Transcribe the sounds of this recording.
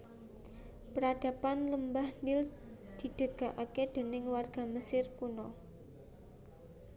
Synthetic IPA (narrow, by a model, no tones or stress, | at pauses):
pəɾad̥a̤panləmbahnɪld̪̥i̤d̪̥ə̤ɡ̥a̤ʔaked̪̥e̤nɪŋwarɡ̥a̤məsɪrkunɔ